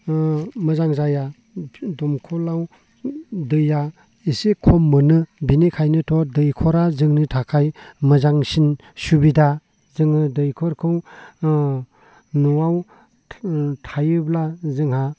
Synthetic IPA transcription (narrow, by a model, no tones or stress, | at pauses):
mɯzaŋzaja | dɔmkʰɔlaw | dɯja | isekʰɔmːɯnɯbinikʰajnɯtʰɔdɯjkʰɔɾazɯŋnitʰakʰajmɯzaŋsin | subida | zɯŋnɯdɯjkʰɔɾkʰɯw | nuaw | tʰajɯblazɯŋha